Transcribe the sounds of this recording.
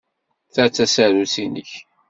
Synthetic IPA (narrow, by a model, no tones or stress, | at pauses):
θæt͡sːæsaɾusinəç